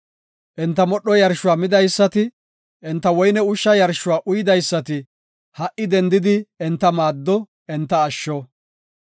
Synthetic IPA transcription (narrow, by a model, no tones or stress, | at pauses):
ʔɛnt̪ːɐmɔɗːɔjɐɾʃʊwaːmɪd̪ɐjsːɐt̪ɪ | ʔɛnt̪ːɐwɔjnɛʊʃːɐjɐɾʃːʊwaːʔʊjɪd̪ɐjsːɐt̪ɪ | hɐʔɪd̪ɛnd̪ɪd̪ɪɛnt̪ːɐmaːd̪ːɔ | ɛnt̪ːɐːʃːɔ